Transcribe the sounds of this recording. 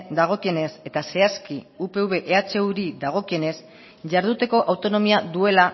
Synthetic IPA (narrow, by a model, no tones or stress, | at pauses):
d̪aɣ̞o̞kie̞ne̞se̞t̪ase̞aski | upe̞uβe̞ʔeat͡ʃe̞uɾiðaɣ̞o̞kie̞ne̞s | ʝaɾðut̪e̞ko̞ʔawt̪o̞no̞miaðue̞la